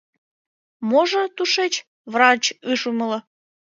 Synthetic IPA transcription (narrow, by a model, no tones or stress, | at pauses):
moʒə̆t̪uʃet͡ɕ | βrɑt͡ɕɨʃuməlɤ̆